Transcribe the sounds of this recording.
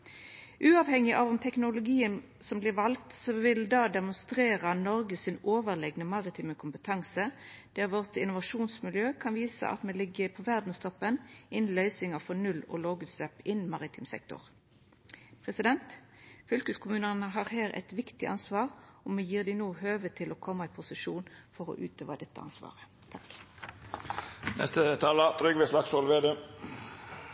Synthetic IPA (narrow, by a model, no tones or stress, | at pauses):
ʔʉːɑʋhɛŋɪʔɑʋɔmt̪ʰɛknʊlʊɡiːən | sɔmblɪʁʋɑlkt̪sɔʋɪld̪ɑːd̪ɛmʊnst̪ʁeːʁənɔʁɡəsɪnoːʋəʁlɛɡnəmɑʁɪt̪ʰiːməkʰʊmpət̪ʰɑŋsəd̪̥æʁʋɔʁt̪ɪnʊʋɑʂuːnsmɪljøːkʰɑnʋiːsə̰ʔɑ̰t̪mɛlɪɡːəpʰɔʋæʁd̪n̩st̪ʰɔpːənʔɪnlœʏsɪŋɑfɔʁnʉlɔ̰ːloːɡʉt̪sd̪ɛpɪnmɑːʁɪt̪ʰiːmsɛ̰k̚t̪ʊ̰ʁ | pʰʁɛsɪd̪ɛnt̪ | fʏlkəskʰʊmʉːnəʁnəɦɑʁhæːʁɛ̰t̪ʋɪkt̪ɪ̰ʔɑ̰nsʋɑːʁɔmɛjiːʁd̪ɪnoːɦøːʋət̪ʰɪlɔːkʰɔmːəɪpʰʊsɪʂuːnfɔʁɔ̰ːʔʉːt̪ʰøːʋɑ̰d̪ɛt̪ːə̰ɑ̰nsʋɑ̰ːʁə | t̪ʰɑk | nʔɛ̰st̪ət̪ʰɑːlɑt̪ʰɾʏɡʋɛslɑksolʋeːd̪eː